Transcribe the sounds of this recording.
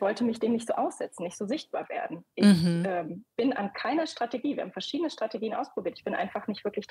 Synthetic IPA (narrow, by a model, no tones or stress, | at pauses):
v̥ɔltəmɪçd̥eːmnɪçtz̥oːʔaʊsz̥ɛt͡sn̩ːɪçtz̥oːzɪçt̚b̥aːɐvḛːɐdn̩ʔɪçʔɛːmb̥ɪnʔa̰nkʰaɪnɐʃtʁ̥ateɡiːvjːhaːmfɛɐʃiːdənəʃtʁ̥ateɡiːənʔa̰ʊspʁ̥obiːɐtɪçb̥ɪnʔa̰ɪnfaχnɪçtv̥ɪɐklɪç̥